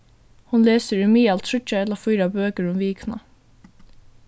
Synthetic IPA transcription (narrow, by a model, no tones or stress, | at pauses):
hɑnleːsəɹʉmiːɑlt̪ʰʉt͡ʃəɛlɑfiːɾɑbøːkəɹʊmʋiːkʰnɑ̰